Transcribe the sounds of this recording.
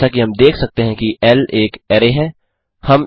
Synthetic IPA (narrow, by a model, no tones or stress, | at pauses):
akiɦɐmd̪eːkʰsɐk̚t̪eɦɛ̃kiʔɛleːkɛːɾeɦɛ̃ː | hɐm